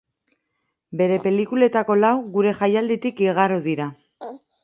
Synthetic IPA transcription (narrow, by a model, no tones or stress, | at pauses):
be̞ɾe̞pe̞likule̞t̪ako̞lawɣuɾe̞ʝajald̪et̪ikiɣaɾuðiɾa